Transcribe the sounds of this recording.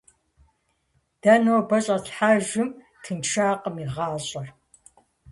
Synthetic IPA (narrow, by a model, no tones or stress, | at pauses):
d̥ɐnoːbɐɕʼɐtħaːʒɪm | kʰɨnt͡ʃʰaːqəmiʁɑːɕʼɐr